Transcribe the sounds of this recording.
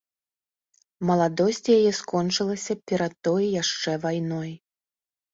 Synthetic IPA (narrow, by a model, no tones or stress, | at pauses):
mɐlˠad̪ɔsʲt͡sʲijajɛskɔnt͡ʂɨlˠɐsʲɐpʲɛɾɐt̪̚t̪ɔjjaʂt͡ʂɛvajnɔj